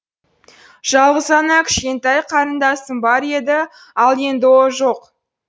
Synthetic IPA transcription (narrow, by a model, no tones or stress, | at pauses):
ʒ̥ɑlˠʁəzɑnɑkʲʰɪ̥ʃkʲe̞nt̪æjqʰɑɾənd̪ɑsənbɑɾe̞d̪ɪ | ɑlˠje̞nd̪ɪwoʒo̞q